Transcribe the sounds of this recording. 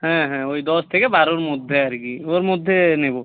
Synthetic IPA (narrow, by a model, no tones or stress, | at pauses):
ɦɛ̃ɦɛ̃ojd̪ɔst̪ʰekebaɾoɾmod̪ʱːeaɾkioɾmod̪ʱːenebo